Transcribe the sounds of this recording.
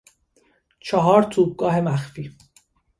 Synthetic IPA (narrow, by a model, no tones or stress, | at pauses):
t͡ʃʰɒɦɒːɾt̪ʰuːb̚ɡɒːɦe̞mæxfiː